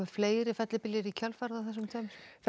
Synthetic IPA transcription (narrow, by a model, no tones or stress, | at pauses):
ɪfleːjɾɪfɛt̪lɪpɪljɪɾicʰalfaɾðaθɛsːʏmt̪ʰaːmɪɾf